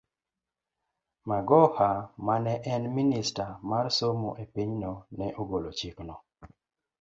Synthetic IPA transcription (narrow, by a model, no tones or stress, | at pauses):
maɡɔhamanɛʔɛnministamarsomoʔepiɲnonɛʔoɡolot͡ʃiknɔ